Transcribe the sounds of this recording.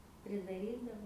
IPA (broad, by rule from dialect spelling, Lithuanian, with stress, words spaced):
pʲrʲɪdɐˈrʲiːdɐʋoː